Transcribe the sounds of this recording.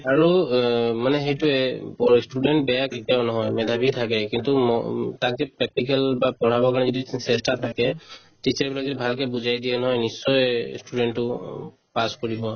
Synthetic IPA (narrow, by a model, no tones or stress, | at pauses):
aɹumanɛɦejtʊɛpɔstudɛntbɛjakitɔnɔɦɔjmɛdʱabʱitʰakɛkintumɔtak̚zɛpɹɛk̚tikɛlbapɔɹabɔkaɹnɛzɔdisɛstatʰakɛ | tit͡ʃaɹbilakzɔdibʱalkɛbuzajdiɛnɔɦɔjnisːɔjstudɛntːʊ | paskoɹibɔ